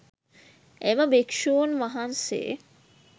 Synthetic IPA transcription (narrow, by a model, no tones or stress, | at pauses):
eməbekʂuʋonʋaɦansḛː